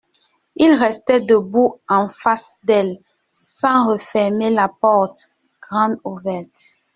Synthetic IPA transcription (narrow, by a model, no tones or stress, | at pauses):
ilʁɛst̪ɛdəbuɑ̃fasd̪ɛl | sɑ̃ʁəfɛʁmelapɔʁt̪ | ɡ̥ʁɑ̃d̪uvɛʁt̪